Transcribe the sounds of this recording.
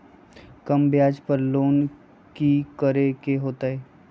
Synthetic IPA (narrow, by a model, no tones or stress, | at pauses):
kɐmbjaːd͡ʒpəɾloːn | kikəɾekeɦoːt̪aɦɛː